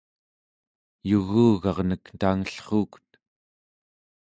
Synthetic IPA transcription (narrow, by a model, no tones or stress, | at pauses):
juɣuːɣɑʁnəknt̪aːŋəɬχuːku̥t̪